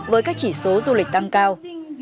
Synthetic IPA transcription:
vəː˨˦jkaː˦˥k̚t͡ɕi˧˩so˨˦zu˧lï˨˩k̟̚t̪a˧ŋkaː˧w

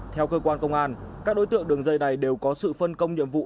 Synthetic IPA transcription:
t̪ʰɛ˧wkəː˧kwaː˧nkə˧wŋ͡mʔaː˧n | kaː˦˥k̚ɗo˨˦jt̪ɨ̰˧˨əɗɨ˨˩əŋzə˧jna˨˩jɗe˨˩wkɔ˨˦sɨ̰˧˨fə˧nkə˧wŋ͡mɲḭ˧˨mvṵ˧˨

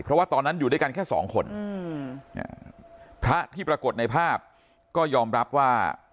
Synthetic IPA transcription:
pʰɾɔ˦˥waː˥˩t̪ɔː˧nːa˦˥njuː˨˩da˥˩˨ka˧nkʰɛː˥˩sɔ̰ː˩˦ŋkʰo̰˧n | a̰˧˩pʰɾa˦˥ʔt̪ʰiː˥˩pɾa˧ko˨˩t̪̚na˧jpʰaː˥˩p̚ | kɔː˥˩jɔː˧mɾa˦˥p̚waː˥˩

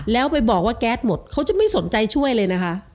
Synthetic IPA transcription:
lɛː˦˥wpa˧jbɔː˨˩k̚waː˥˩kɛː˦˥t̪̚mo˨˩t̪̚kʰa˦˥wt͡ɕa˨˩ma˥˩jso˩˦nt͡ɕa˧jt͡ɕʰu˥˩əjlɤː˧jna˦˥kʰa˦˥ʔ

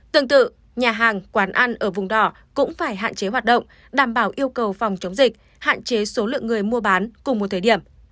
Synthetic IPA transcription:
t̪ɨ˧əŋt̪ɨ̰˧˨ | ɲaː˨˩ɦaː˨˩ŋkwaː˨˦nʔa˧nʔəː˧˩vʊ˨˩ŋ͡mɗɔ˧˩ | kʊ̰˧˥ŋ͡mfaː˧˩jɦa̰ː˧˨nt͡ɕe˨˦ɦwaː˨˩t̚ɗə̰˧˨wŋ͡m | ɗaː˧˩mɓaː˧˩wʔi˧əwkə˨˩wfa˨˩wŋ͡mt͡ɕə˨˦ŋ͡mzï˨˩k̚ | ha̰ː˧˨nt͡ɕe˨˦so˨˦lɨ̰˧˨əŋːɨ˨˩əjmu˧əɓaː˨˦nkʊ˨˩ŋ͡mmo˨˩t̪ʰəː˧˩jɗi˧˩əm

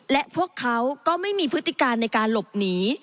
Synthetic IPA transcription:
lɛ˦˥ʔpʰu˥˩əkʰːa˦˥wkɔː˥˩ma˥˩jmiː˧pʰɯ˦˥t̪ːi˨˩kaː˧nːa˧jkaː˧nlo˨˩p̚niː˦˥

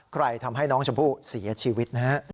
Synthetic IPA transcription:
kʰɾa˧jt̪ʰa˧mɦa˥˩jnɔː˦˥ŋt͡ɕʰo˧mpʰuː˥˩si˩˦ɐt͡ɕʰiː˧wi˦˥t̪̚na˦˥ha˦˥

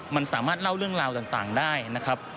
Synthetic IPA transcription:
ma˧nsaː˩˦maː˥˩t̪̚la˥˩wɾɯ˥˩əŋɾaː˧wt̪aː˨˩ŋt̪aː˨˩ŋdaː˥˩jna˦˥kʰɾa˦˥p̚

